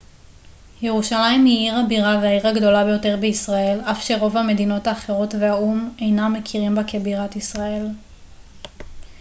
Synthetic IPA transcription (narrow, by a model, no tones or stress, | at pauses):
je̞ʁuʃalajimhiiʁhabiʁaveaiʁaɡdo̞labejo̞te̞ʁbeisʁae̞lafʃe̞ʁo̞vhame̞dino̞taːχe̞ʁo̞tve̞aume̞jnamːekʰiʁimbekebiʁatisʁae̞l